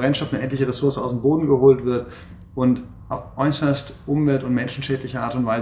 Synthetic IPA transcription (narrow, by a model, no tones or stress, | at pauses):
ʁɛntʃtɔftnəʔɛntlɪçəʁesʊɐsəaʊsemboːdn̩ɡəhoːltv̥ɪɐt | ʊnt | ʔaʊfʔɔʏsɐstʔʊmvɛltʊnt̚mɛnʃn̩ʃɛːtlɪçəʔaːɐtʊntv̥aɪz